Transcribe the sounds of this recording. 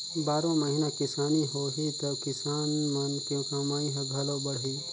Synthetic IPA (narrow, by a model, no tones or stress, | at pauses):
baːɾõmɐɦɪnakɪsaːniɦoːɦit̪ɐkɪsaːnmɐnkjõːkamaːĩɦɐɡʱaːlobɐɽ̤iː